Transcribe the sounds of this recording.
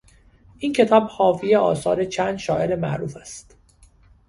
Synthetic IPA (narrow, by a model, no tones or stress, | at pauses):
ʔiːncʰe̞t̪ʰɒːbhɒːviːjeɒ̰ːsɒːɾet͡ʃʰænd̪ʃɒːʔe̞ɾe̞mæ̰ʔɾuːfæst̪